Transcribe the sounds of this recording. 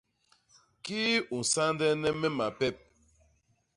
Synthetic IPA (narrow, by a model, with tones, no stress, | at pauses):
kiː˦u˨n˨sa˦ndɛ˦nɛ˦mɛ˦ma˨pɛ˦˨p̚